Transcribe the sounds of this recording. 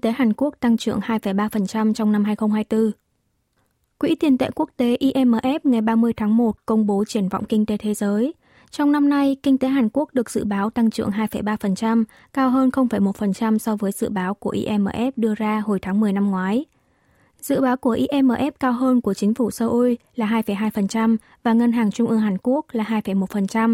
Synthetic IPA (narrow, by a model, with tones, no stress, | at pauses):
it̪e˨˦ɦaː˨˩nku˦˥ək̚t̪a˧ŋt͡ɕɨ̰˧˩əŋhaː˧jfə˧˩jɓaː˧fə˨˩nt͡ɕa˧mt͡ɕɔ˧wŋ͡mna˧mɦaː˧jxə˧wŋ͡mhaː˧jt̪ɨ˧ | kwḭ˧˥t̪i˨˩ənt̪ḛ˧˨ku˦˥ək̚t̪e˨˦ʔi˧ʔɛ˧mʔəː˨˩ʔɛ˦˥p̚ŋa˨˩jɓaː˧mɨ˧əjt̪ʰaː˨˦ŋmo˨˩t̚kə˧wŋ͡mɓo˨˦t͡ɕi˧˩ənvɔ̰˧˨wŋ͡mkï˧ŋ̟t̪e˨˦t̪ʰe˨˦zəː˨˦j | t͡ɕɔ˧wŋ͡mna˧mna˧jkï˧ŋ̟t̪e˨˦ɦaː˨˩nku˦˥ək̚ɗɨ˨˩ək̚z̥ɨ̰˧˨ɓaː˨˦wt̪a˧ŋt͡ɕɨ̰˧˩əŋɦaː˧jfə˧˩jɓaː˧fə˨˩nt͡ɕa˧m | kaː˧wɦəː˧nxə˧wŋ͡mfə˧˩jmo˨˩t̚fə˨˩nt͡ɕa˧msɔ˧vəː˨˦jzɨ̰˧˨ɓaː˨˦wku˧˩əʔḭ˧ʔɛ˧mʔəː˧˩ʔɛ˦˥p̚ɗɨ˧əzaː˧ho˨˩jt̪ʰaː˨˦ŋmɨ˨˩əjna˧mŋwaː˨˦j | zɨ̰˧˨ɓaː˨˦wku˧˩əʔi˧ʔɛ˧mʔəː˧˩ʔɛ˦˥p̚kaː˧wɦəː˧nku˧˩ət͡ɕï˨˦ŋ̟fu˧˩səː˧ʔu˧jlaː˨˩ɦaː˧jfə˧˩jɦaː˧jfə˨˩nt͡ɕa˧m | vaː˨˩ŋə˧nɦaː˨˩ŋt͡ɕʊ˧ŋ͡mʔɨ˧əŋɦaː˨˩nku˦˥ək̚laː˨˩ɦaː˧jfə˧˩jmo˨˩t̚fə˨˩nt͡ɕa˧m